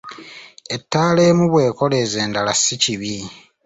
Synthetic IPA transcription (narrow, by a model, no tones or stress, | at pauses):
e̞tːaːle̞ːmuβwe̞ːko̞le̞ːze̞ːndalasiciβi